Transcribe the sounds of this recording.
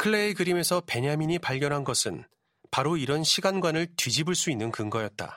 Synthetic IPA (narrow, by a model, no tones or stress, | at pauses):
kʰɯɭːe̞iɡɯɾime̞sʰʌpe̞ɲamiɲipaɭɡjʌnɦanɡʌsʰɯn | paɾoiɾʌnɕʰiɡanɡwanɯɭtwɥid͡ʑibɯɭs͈uinːɯnkɯŋɡʌjʌt̚t͈a̰